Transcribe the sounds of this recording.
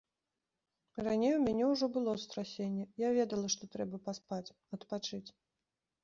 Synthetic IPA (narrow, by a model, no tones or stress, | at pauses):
ranʲejumʲanʲɛwʐɔbɨlˠɔst̪ɾasʲenʲːɛjavʲɛd̪ɐlˠɐʂt̪ɔt̪ɾɛbɐpaspat͡sʲ | ɐt̪pat͡ʂɨt͡sʲ